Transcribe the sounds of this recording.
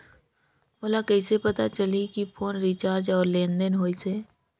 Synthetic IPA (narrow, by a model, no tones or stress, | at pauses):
ɦoːlakɛːsepɐt̪at͡ʃəlikipʰoːnɾit͡ʃaːɾd͡ʒɔːɾlẽːnd̪ənɦoːiseː